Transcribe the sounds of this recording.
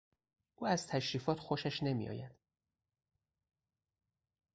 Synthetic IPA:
ʔuːæzt̪ʰæʃɾiːfɒːt̪xoʃæʃne̞mḭjɒ̰ːjæd̪̥

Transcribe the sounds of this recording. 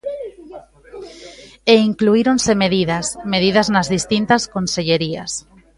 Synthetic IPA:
eiŋkluiɾonsemeðiðasmeðiðaznazðist̪int̪askonseʎeɾias

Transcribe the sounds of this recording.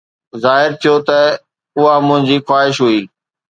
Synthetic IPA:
zaːɦɪɾt̪ʰijot̪ɐ | ʊɦamʊ̃ɦɪ̃ɲd͡ʑiːxwaːɦɪʃɦuiː

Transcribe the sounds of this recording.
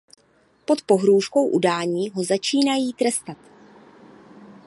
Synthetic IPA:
po̞t̪po̞ɦɾuːʃko̞wʔudaːɲiːɦo̞zat͡ʃiːnajiːt̪ɾɛst̪at̪

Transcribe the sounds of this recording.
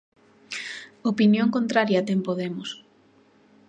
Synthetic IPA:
opinjoŋkont̪ɾaɾjɐt̪empoðemʊs

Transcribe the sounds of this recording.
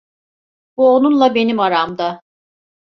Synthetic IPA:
b̥uo̞nunlˠabe̞nimaɾamd̪a

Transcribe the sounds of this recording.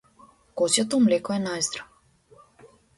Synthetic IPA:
kɔsjɔt̪ɔmlɛkɔɛnajzd̪ɾa

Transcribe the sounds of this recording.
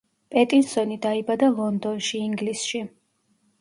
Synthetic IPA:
pʼɛt̪ʼinsɔnid̪aibad̪alˠɔnd̪ɔnʃiːŋɡlisʃi

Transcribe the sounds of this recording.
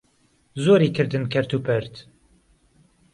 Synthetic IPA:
zoːɾiːkʰɨɾd̪ɨnkʰɐɾt̪ʰupʰɨɾt̪

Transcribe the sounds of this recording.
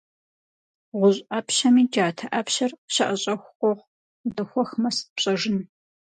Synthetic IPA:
ʁʷʊʑʼʔɐpɕɐmiːd͡ʒaːtʰɐʔɐpʰɕɐrɕɐʔɐɕʼɐxʷqʷɔʁ | dɐxʷɔxmɐspɕʼɐʐɪn

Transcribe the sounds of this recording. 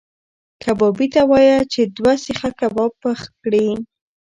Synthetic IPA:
kabɑbit̪awɑjat͡ʃed̪wasəxakabɑpəxkɽi

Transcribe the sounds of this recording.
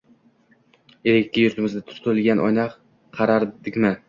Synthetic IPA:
eɾekʲt̪ʲɪjʊɾt̪ʰɪmɪzd̪at̪ʰʊ̥ɾt̪ʰʊɾɪlɡʲanʔɒ̰jnɑq | qʰɑɾaɾd̪ɪkʲmɪ

